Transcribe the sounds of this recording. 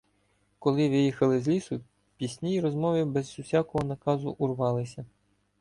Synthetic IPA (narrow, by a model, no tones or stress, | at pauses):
kɔlˠɪʋɪjixɐlˠɪzʲlʲisʊ | pʲisʲnʲijɾɔzmɔʋɪbɛzːʊsʲɑkɔɦɔnɐkɑzʊʔurʋɑlˠɪsʲɐ